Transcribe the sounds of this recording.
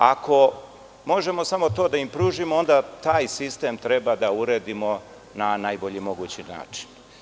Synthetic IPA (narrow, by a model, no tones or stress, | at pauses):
ako̞ | mo̞ʒe̞mo̞samo̞t̪o̞ːd̪aimpɾuːʒimoo̞nd̪at̪aːjsist̪e̞ːmt̪ɾe̞bad̪auɾeːd̪imo̞ | nanajbo̞ʎimo̞ɡut͡ɕina̰ːt͡ʃi̥n